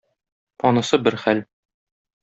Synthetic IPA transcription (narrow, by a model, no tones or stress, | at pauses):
pɒnɤ̆sɤbɘɾχæl